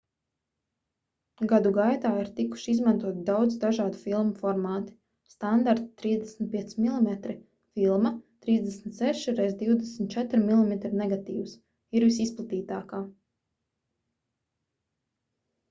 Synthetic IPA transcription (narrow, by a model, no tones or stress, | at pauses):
ɡad̪uɡajt̪aːiɾt̪iku̥ʃiizmant̪uɔt̪d̪awd̪zd̪aʒaːd̪ufilˠmufɔɾmaːt̪i̥ | st̪and̪aɾt̪t̪ɾiːzd̪ɛsnʲt̪̚pʲiɛsimilˠimɛt̪ɾi | filˠmat̪ɾiːzd̪ɛsnʲt̪sɛʃɾɛjzd̪iwd̪ɛsmʲt̪̚t͡ʃɛt̪ɾmilˠimɛt̪ɾinɛɡat̪ḭːws | iɾvisisplˠat̪iːt̪aːkaː